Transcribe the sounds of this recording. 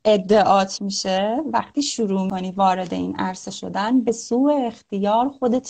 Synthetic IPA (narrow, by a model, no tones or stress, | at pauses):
ʔe̞d̪ːe̞ʔɒːt̪ʰmiːʃevæ̰xt̪ʰiːʃuɾuːmikʰoniːvɒːɾe̞d̪e̞̰ḭːnʔæ̰ɾse̞ʃo̞̰d̪ænbe̞suːeːxt̪ijɒːɾxo̞d̪e̞t̪ʰ